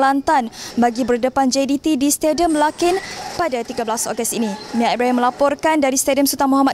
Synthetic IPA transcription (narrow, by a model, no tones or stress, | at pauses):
lant̪anbaɡibərdəpand͡ʒedit̪idist̪ediəmlakɪnpadat̪iɡablasɔ̰ɡəst̪inimĩaabɾaiməlapɔrkandaɾist̪ediəmsut̪amɔɦama